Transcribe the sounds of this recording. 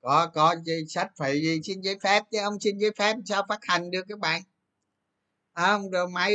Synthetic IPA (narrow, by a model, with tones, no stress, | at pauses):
kɔ˨˦kɔ˨˦zi˧˩sa˦˥t̚fa˨˩˨jzi˨˩si˧nzaː˨˦jfɛ˦˥p̚t͡ɕɨ˨˦ʔə˧wŋ͡msi˧nzaː˨˦jfɛ˦˥p̚saː˧wfaː˦˥t̚ha˨˩jŋ̟ɗɨ˨˩əkːaː˨˦jɓa̰ː˨n | ʔəː˨˧wŋ͡mzo˨˩jma˨˦